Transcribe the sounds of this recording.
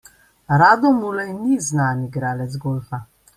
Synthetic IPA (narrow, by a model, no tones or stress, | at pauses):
ɾaːd̪ɔmulɛjniznaːniɡɾaːlɛt̪zɡoːlfa